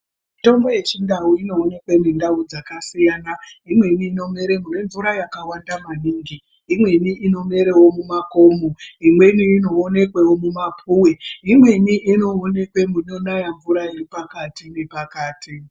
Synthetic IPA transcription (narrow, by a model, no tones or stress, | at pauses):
mito̞mbo̞je̞t͡ʃindauino̞ːne̞kwe̞mindaud͡zakasijaːnaimwe̞niːno̞me̞ɾe̞mune̞ɱvuɾajakawandamaniːŋɡi | imwe̞niʔino̞me̞ɾe̞womumako̞ːmoimwe̞niːno̞ːne̞kwe̞womumapʰuːweimwe̞niʔino̞one̞kwe̞munonajaɱvuɾairipakatinepakaːtʰi